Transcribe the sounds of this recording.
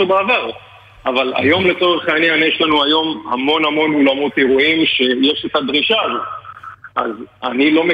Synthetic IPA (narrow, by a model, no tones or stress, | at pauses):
obeavaʁ | avala̰jo̞mle̞t͡so̞ʁeχaanianjeʃlanuajo̞ma̰mo̞namo̞nolamo̞t̪eʁuimʃe̞jeʃet̪ad̪ʁiʃaːzo̞t̪̚ʔazanilo̞me